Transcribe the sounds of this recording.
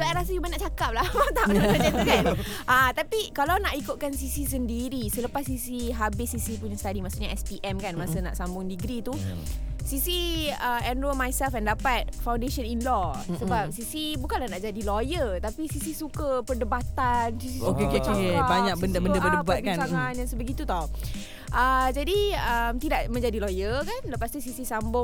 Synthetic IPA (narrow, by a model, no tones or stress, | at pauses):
soajɾasəjubanaʔt͡ʃakap̚lahmat̪aʔaɲat̪kanʔət̪apikalawnaʔikʊt̪̚kansisis̬əndiɾisələpasːisiɦabɪsːisipuɲasət̪adimaʔsuʔɲaɛspiʔɛmkanmasəna̰ʔsambʊŋdiɡɾit̪u | sisiəɛnuəmajsɛlfɛndapat̪̚fawndeʃəninlɔsəbap̚sisibukanlahnaʔd͡ʒadilojərt̪apisisisukəpərdəbat̪ansisiokeokeokkebaɲak̚bəndəbəndəpərdəbat̪̚bikansaŋanjaŋsəbəɡit̪ut̪ɔ | ʔəd͡ʒadiəmt̪idaʔmə̃ɲd͡ʒadilojəkanləpast̪usisisambʊ